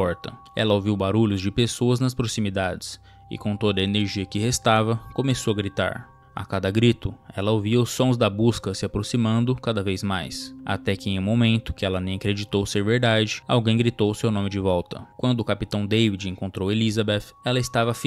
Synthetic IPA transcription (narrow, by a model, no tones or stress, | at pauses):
ɔɾt̪ɐ | ɛ̰lɐoviwbaɾuʎʊzd͡ʒɪpesoɐznɐspɾosimid̪ad͡ʒɪs | ɪ̰kõt̪od̪ɐeneɾʒiɐkɪhest̪avɐkomesowɐɡɾit̪a̰ɾ | a̰kad̪ɐɡɾit̪ʊɛlɐoviɐʊsːõzd̪ɐbuskɐsɪapɾosimɐ̃nd̪ʊkad̪ɐvejzmajsa̰t̪ɛkɪẽj̃ũmomẽnt̪ʊ̥kɪɛlɐnẽj̃akɾed͡ʒit̪owseɾveɾd̪ad͡ʒɪa̰wɡẽj̃ɡɾit̪owʊsewnõmɪd͡ʒɪvɔwt̪ɐ̰kwɐ̃nd̪ʊːkapit̪ɐ̃w̃d̪ejvid͡ʒẽŋkõnt̪ɾowelizɐbɛt̪ɛlɐɪst̪avɐf